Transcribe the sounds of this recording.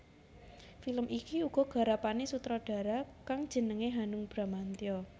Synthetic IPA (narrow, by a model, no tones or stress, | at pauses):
filəmʔikiuɡ̥ɔ̤ɡ̥a̤ɾapanesut̪ɾɔɖ̥a̤ɾakaŋd̥ʒ̥ə̤nəŋeɦanʊŋb̥ɾa̤mant̪iɔ